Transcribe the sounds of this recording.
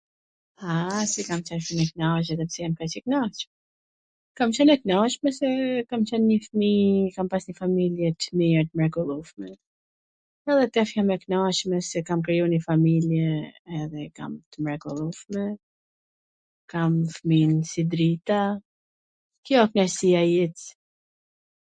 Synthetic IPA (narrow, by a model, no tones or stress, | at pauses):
asikamt͡ʃanfinɛknɔʃɛðɛpsɛjamkat͡ʃɛknɔʃmɛ | kamt͡ʃɔnɛknɔʃmɛsɛkamt͡ɕɔnɲəfmikampasɲəfamiljɛt̪əmiɾt̪əmɾɛkɔlˠuʃmɛ | ɛðɛt̪ɛfjamɛknaʃmɛsɛkamkɾijunifamiljɛːðɛka̰mt̪əmɾɛkɔlˠuʃmɛ | kamfminsid̪ɾit̪a | kjɔknasiajit͡s